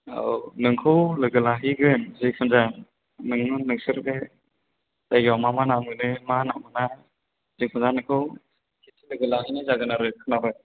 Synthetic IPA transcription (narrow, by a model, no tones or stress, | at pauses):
a̰wnɯŋkʰɯwlɯɡɯlaɦiɡɯnzipʰɯnza | nɯŋɯnɯŋsɯɾde | d̥ajɡawmamanamɯnɯmanamɯna | zipʰɯnzanɯŋkʰɯw | kʰitʰilɯɡɯlaɦijnɯzaɡɯnaɾɯkʰɯnabɯ